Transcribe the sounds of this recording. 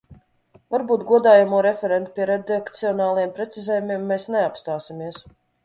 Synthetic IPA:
vaɾbuːt̪ɡuɔd̪aːjamuɔɾɛfʲɛɾɛnt̪pʲiɛɾɛd̪ekt̪siɔnaːlˠajɛmpɾɛt̪sizɛːjumiɛmːɛːsnɛapst̪aːsʲimʲiɛs

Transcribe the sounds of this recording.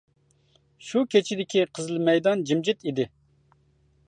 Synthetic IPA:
ʃukʲʰet͡ʃʰid̪ɪkʲʰiqʰəzlˠɨmɛjd̪ɑnd͡ʒimd͡ʒɪt̪id̪ɪ

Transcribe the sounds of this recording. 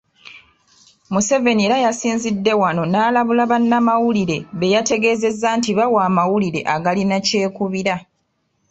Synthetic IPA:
muse̞ve̞nieɾajasiːnzidːe̞wano̞naːlaβulaβanːamawuliɾe̞βe̞jate̞ɡe̞ːze̞zːantiβawaːmawuliɾe̞̰ʔaɡalinace̞ːkuβiɾa

